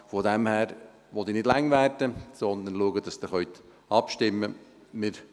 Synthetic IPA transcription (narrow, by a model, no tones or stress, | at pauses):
fɔd̪ɛmhæːɾ | ʋɔt̪inɪd̥læŋːʋærdəsɔnd̪ənluəɡəd̥ɑsd̪ɪχœɥt̪ | ɑpʃtɪmːə | mɪɾ